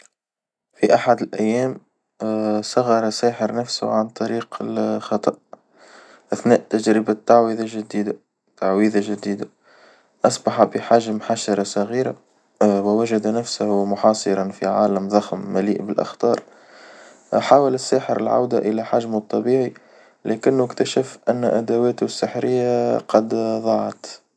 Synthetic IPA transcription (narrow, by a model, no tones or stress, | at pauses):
fiʔaħad̪ɪlʔæjːæːm | sˤɑɣɑɾˤɑsæːħəɾnæfsʊ̰ʕant̪ˤɑɾiːqɪlxɑt̪ˤɑʔ | ʔɪθnæːʔt̪ad͡ʒɾɪbat̪ːaʕwiðaʒɪd̪iːd̪a | t̪aʕwiːðaʒɪd̪iːd̪a | ʔɑsˤbɑħabəħaːʒamħaʃɑɾˤɑsˤɑɣiːɾa | wwæʒad̪næfsahmʊħɑːsˤɨɾˤɑnfḭʕaːləmðˤɑxmːælḭːʔbɪlʔa̰xt̪ɑːɾˤ | ħaːwəlɪsːaːħəɾɪ̰lʕa̰wd̪aʔəlæħaʒmt̪ˤːɑbiːʕi | lækɪnːʊɪkt̪æʃəfʔænːʔæd̪awæːt̪ʊsːəħɾɪjːaqɑd̪ðˤɑʕɑt̪